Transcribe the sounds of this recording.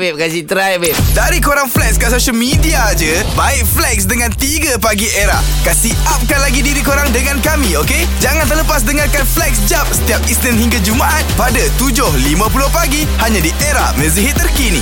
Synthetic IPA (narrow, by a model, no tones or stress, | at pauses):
bɛp̚kasit̪ɾajbɛp̚daɾikoɾaŋflɛkskasoʃəlmidiad͡ʒəbaɪʔ̚flɛk̚sdəŋãnt̪iɡəpaɡiʔeɾa | kasiʔap̚kanlaɡidiɾikoɾaŋdəŋankamĩoke | d͡ʒaŋant̪ərləpas̬dəŋarkanflɛk̚sd͡ʒap̚sə̥t̪iap̚isnĩnhiŋɡad͡ʒumaʔat̪̚padat̪ud͡ʒʊhlimãp̬ulʊhpaɡi | haɲãdiʔeɾahmə̃ziɦɪt̪ːərkinḭ